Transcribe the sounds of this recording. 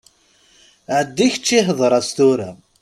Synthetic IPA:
ʕəd̪ːiçə̥t͡ʃːiɦðˤɾˤɑst̪uɾæ

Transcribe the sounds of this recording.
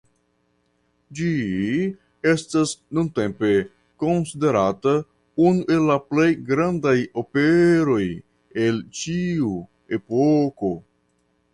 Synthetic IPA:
d͡ʒi | estasnunte̞mpe̞ | ko̞nside̞ɾata | unuʔe̞lːaplejɡɾandajo̞peɾo̞j | e̞lt͡ʃiu | e̞poko̞

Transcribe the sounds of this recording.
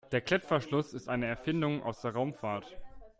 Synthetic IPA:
d̥eːɐkʰl̥ɛpp͡fɐʃlʊsɪstʔaɪnəɛɐfɪndʊŋʔa̰ʊsd̥eːɐʁaʊmfaːɐt

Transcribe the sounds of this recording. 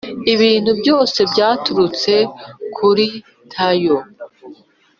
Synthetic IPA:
iβiːn̥hubjo̞ːse̞bɟaːtuɾut͡se̞kʰuɾi | tʰajo

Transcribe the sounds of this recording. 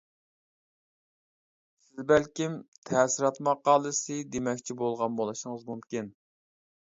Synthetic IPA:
sɪzbælkʲimt̪ʰɛsiɾɑt̪mɑqːɑːlˠɨsɨd̪emɛkʲt͡ʃʰibolˠʁɑnbolˠɨʃɪŋəzmumkʲin

